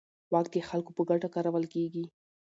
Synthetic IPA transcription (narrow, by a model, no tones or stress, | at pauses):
wɑk̚t̪jexalkopəɡaʈakɑɾawəlkeɡi